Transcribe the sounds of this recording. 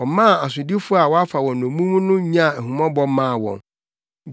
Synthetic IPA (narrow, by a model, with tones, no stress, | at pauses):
ɔ˨mã˦˨a˨sʊ˨di˦fʊ˦a˨wɔ˦a˦fa˨wɔ̃˨n˨nõ˨mũ˦m˦nʊ̃˦ɲ˦ã˦˨æ˨hũ˨mɔ̃˦bɔ˦mã˦˨wɔ̰̃˨n